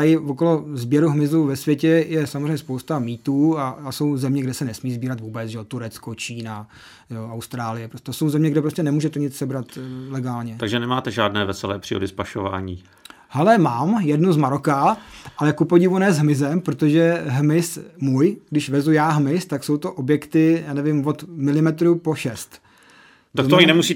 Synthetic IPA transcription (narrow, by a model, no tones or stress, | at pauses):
t̪ajɪvoko̞lo̞zbjɛɾuɦmɪzuvɛsvjɛcɛjɛsamozr̝ɛɲɛspowst̪amiːt̪uːaːso̞wzɛmɲɛɡdɛsɛnɛsmiːzbiːɾat̪vuːbɛt͡sʒɛot̪uɾɛt͡skot͡ʃiːna | joawst̪ɾaːlɪjɛpɾosɛso̞wzɛmɲɛɡdɛpɾoscɛnɛmuːʒɛt̪ɛɲɪt͡ssɛbɾat̪lɛɡaːlɲɛt̪aɡʒɛnɛmaːt̪ɛʒaːdnɛːvɛsɛlɛ̰ːpr̥ḭːo̰dɪspaʃova̰ːɲiː | hɛlɛmaːmjɛdnuzmaɾokaʔalɛkupo̞ɟɪvunɛːzɦmɪzɛmpɾot̪o̞ʒɛɦmɪsmujɡdɪʃvɛzujaːɦmɪst̪akso̞wt̪oʔobjɛkt̪ɪjaːnɛvɪmvo̞t̪mɪlɪmɛt̪ɾupo̞ʃɛst̪ | t̪akkt̪oɲɪnɛmusiː